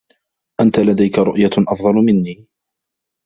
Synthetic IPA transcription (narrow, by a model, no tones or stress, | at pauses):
ʔant̪alad̪ajkaɾˤʊʔjaʔɑfd̪ˤɑlmɪnːiː